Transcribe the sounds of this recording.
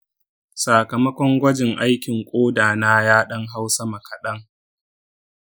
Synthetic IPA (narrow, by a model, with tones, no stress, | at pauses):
saː˨kɐ˨mɐ˦kʷɔ˦ŋɡʷɐ˦d͡ʒɪ˨ŋʔa˦jkʲɪ˨ŋkʷʼoː˦daː˨naː˦jaː˦ɗɐ˦ŋɦa˦wsɐ˦mɐ˨kʰɐ˨ɗɐ˦ŋ